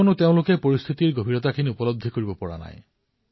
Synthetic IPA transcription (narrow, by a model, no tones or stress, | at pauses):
onut̪eʊ̃lʊkepoɹist̪ʰit̪iɹɡobʱiɾɔt̪akʰiniupɔlod̪ʱːikoɹibɔpɔɹa̰na̰j